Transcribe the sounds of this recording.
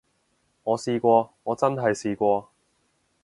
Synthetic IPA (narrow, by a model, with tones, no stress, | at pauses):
ŋɔː˨˧siː˧kʷɔː˧ŋɔː˨˧t͡sɐ˥nɦɐ˨jsiː˧kʷɔː˧